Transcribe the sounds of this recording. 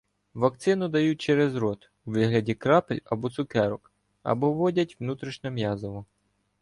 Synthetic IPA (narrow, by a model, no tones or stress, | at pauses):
ʋɐk̚t̪sɪnʊd̪ɐjut̚ʲt͡ʃɛɾɛzɾɔt̪ | uʋɪɦlʲɐdʲikɾɑpelʲɐbɔt̪sʊkɛɾɔk | ɐ̰bɔʋɔdʲɐtʲʋnut̪ɾiʃnʲɛmjɑzɔʋɔ